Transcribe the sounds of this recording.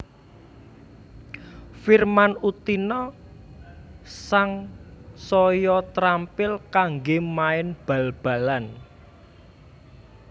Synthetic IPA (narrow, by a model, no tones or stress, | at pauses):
firmanut̪inɔ | saŋsɔjɔt̪ɾampɪlkaŋɡemaɪnb̥ä̤lb̥a̤lan